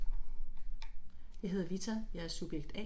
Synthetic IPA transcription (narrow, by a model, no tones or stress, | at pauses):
jɑ̈ɪɦe̝ð̞ˠɐʋit͡sʰɐjɑ̈æɐsub̥jeɡ̥d̥ɛ̰